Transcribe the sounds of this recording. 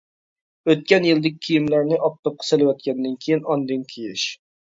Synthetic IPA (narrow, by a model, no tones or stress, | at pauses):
øt̪̚kʲɛnjɨlˠd̪ɨk̚ʲʰːijimlæɾnɪʔɑp̚t̪ʰɑp̚qʰɑ̥selɪwɛt̪̚kʲʰɛnd̪ɪnkʲʰijinɑnd̪ɨnkʲʰijɪʃ